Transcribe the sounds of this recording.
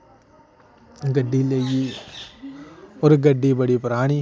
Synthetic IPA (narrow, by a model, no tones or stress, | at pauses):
ɡɐɖːileɡi | ɔɾɡɐɖːibɐɽipʊɾaːɽ̃i